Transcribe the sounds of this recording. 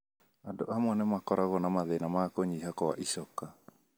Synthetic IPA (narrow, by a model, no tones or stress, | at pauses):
adoʔamwanɛmakɔɾaɣɔnamaðɛnamakoɲiɦakɔa̰ʔisɔka